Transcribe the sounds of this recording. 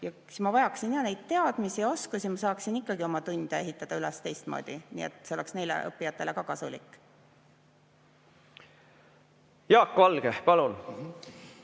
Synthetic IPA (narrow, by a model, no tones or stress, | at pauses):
jɑ | smɑvɑjɑksinjɑne̞jd̪̥̚t̪ːe̞ɑd̪̥misio̞skusimɑsɑːksinikːɑɡio̞mɑt̪unʲd̪̥ʲɑe̞ɦit̪ˑːɑd̪̥ɑylɛst̪e̞jst̪moːd̪̥ʲinḭːḛt̪ˑseo̞le̞ksne̞jlḛʔɤ̰pːijɑt̪ːˑe̞le̞kɑkɑsulikːˑ | jɑːkːvɑlɡ̥epɑlun